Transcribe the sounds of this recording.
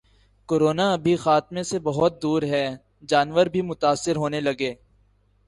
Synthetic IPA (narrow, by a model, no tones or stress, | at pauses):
koːɾoːnaɐbʱixaːt̪̚mẽsebɐɦʊt̪̚d̪uːɾɦɛː | d͡ʒaːnʋəɾbʱimʊt̪aːsːɪɾɦoːnelɐɡeː